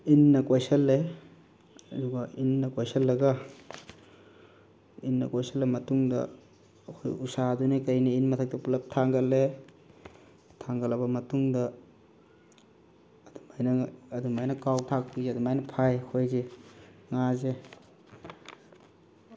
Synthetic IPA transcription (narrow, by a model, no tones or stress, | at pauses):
inːɐkojsɐlːe | ɐduɡɐinːɐkojsɐlːɐɡɐ | inːɐ̰kojsɐlːemɐtuŋdɐ̰ː | kʰo̰jusadunikɐjniinmɐtʰɐk̚tɐpulɐp̚tʰaŋɡɐlːe | tʰaŋɡɐlɐbɐmɐtuŋdɐ | dumajnɐːdumajnɐkawtʰak̚puzeɐdumajnɐpʰajkʰojzeŋaze